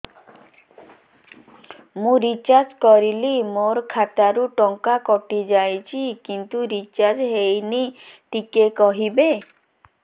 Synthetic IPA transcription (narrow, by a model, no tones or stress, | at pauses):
mũɾit͡ʃaɾd͡ʒkɔɾilimoɾkʰat̪aɾuʈɔŋkakɔʈid͡ʒajt͡ʃʰikint̪uɾit͡ʃaɾd͡ʒɦejniʈikekɔɦibe